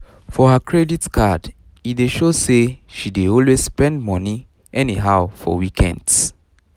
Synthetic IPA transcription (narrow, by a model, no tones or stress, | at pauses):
fɔhakʰɹɛditkʰad | ideʃoseʃideɔlwezspɛ̃ndmɔ̃ni | ʔɛniɦaʊfɔ̰wikʰɛ̰̃nds